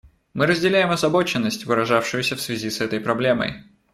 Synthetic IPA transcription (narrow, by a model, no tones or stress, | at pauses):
mɨɾəzʲdʲɪlʲæjɪmɐzɐbo̞t͡ɕɪnːəsʲtʲvɨɾɐʐafʂɨjʊsʲəfsvʲɪzʲisɛt̪əjpɾɐblʲe̞mə̰j